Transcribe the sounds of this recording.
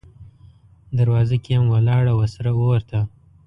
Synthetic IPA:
d̪aɾwɑzakeamwalɑːɽawasaɾaoɾt̪ʰa

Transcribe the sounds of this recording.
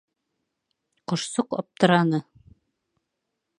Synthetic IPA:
qŏʃsoqɒ̰p̚t̪ɤ̆ɾɑnɤ

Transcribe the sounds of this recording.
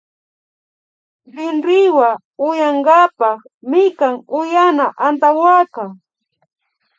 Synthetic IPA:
ɾɪnɾɪwa | ʊjaŋɡapɑχ | mɪkaŋʊjanaʔant̪awaka

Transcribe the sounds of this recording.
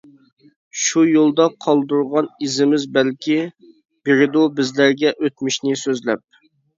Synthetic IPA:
ʃujolˠd̪ɑqʰɑlˠd̪uɾʁɑnizɪmɪzbælkʲi | b̥eɾɪd̪ubɪzlæɾɡʲɛʔøt̪̚mɪʃnɪsøzlɛ̰p̚

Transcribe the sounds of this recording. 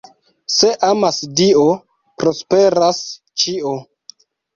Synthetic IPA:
se̞ʔamasdio | pɾo̞spe̞ɾas | t͡ʃio

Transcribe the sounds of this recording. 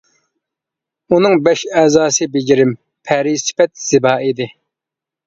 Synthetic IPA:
unɨŋbɛʃɛzɑːsɨbɪd͡ʒɪɾɪm | pʰɛɾisɪ̥pɛt̪̚z̥ɪbɑːid̪ɪ

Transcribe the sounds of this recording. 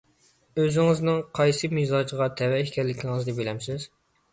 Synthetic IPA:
øzɪŋɨznɨŋqʰɑjsɨmizɑd͡ʒəʁɑt̪ʰɛwɛʃkʲɛɾlːɪkʲʰiŋɨzd̪ɛbelɛmsɪz

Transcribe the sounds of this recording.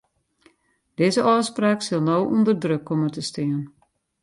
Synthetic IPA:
d̥ɪːzəʔɔːspraːksɪlˠnowʔundərdrøkːomətəstɪən

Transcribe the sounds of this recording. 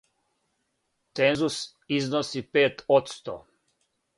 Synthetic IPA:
t̪enzus | iznosipeːt̪ot̪st̪o̰

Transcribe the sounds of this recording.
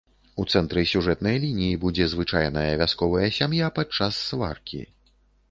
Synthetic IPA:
ut̪sɛnt̪ɾɨsʲuʐɛt̪nɐjlʲinʲijibud͡zʲɛzvɨt͡ʂajnɐjɐvʲaskɔvɐjɐsʲamjapat͡ʂasːva̰rkʲḭ

